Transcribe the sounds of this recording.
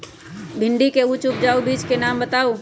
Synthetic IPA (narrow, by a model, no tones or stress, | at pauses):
bʱɪɳɖikeut͡ʃʊp̚d͡ʒaːubiːd͡ʒkenaːmbət̪aːo